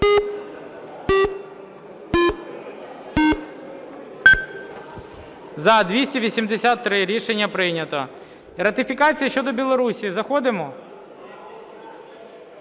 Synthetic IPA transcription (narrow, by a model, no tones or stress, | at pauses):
zɐd̪ʋʲisʲtʲiʋʲisʲimd̪esʲat̪ːɾɪɾʲiʃenʲːɐpɾɪnʲɐt̪ɔ | ɾɐt̪ɪfʲikɑt͡sʲijɐʃt͡ʃɔd̪ɔbʲilˠɔɾusʲizɐxɔd̪ɪmɔ